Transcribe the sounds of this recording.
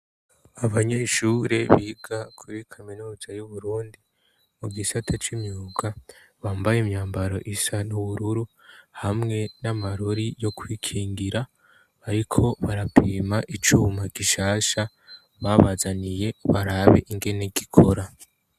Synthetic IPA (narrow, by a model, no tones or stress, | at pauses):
aβaɲe̞ʃuːɾe̞βiːɡakʰuɾikʰaminuːzajuβuɾuːndi | muɡisatʰat͡ʃimɲuːɡa | βaːmbajemɲaːmbaɾo̞̰ʔisanuβuɾuɾuhamŋe̞namaɾoɾijo̞kwiːkʰiːŋɡiɾa | aɾikʰo̞βaɾapʰiːmaʔit͡ʃuːmaɡiʃaːʃa | βaβazanije̞βaɾaβe̞̰ʔiŋɡe̞ne̞ɡikʰo̞ɾa